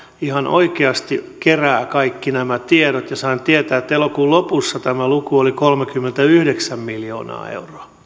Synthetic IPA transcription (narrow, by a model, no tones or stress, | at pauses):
ihɑnʔo̰ikeɑst̪ikeræːkɑikːinæmæt̪ieɾot̪jɑsɑint̪iet̪æːet̪ːelokuːlopusːɑt̪æmælukuolikolmekymːent̪æyhdeksæmmiljo̰ːnɑ̰ːḛuroɑ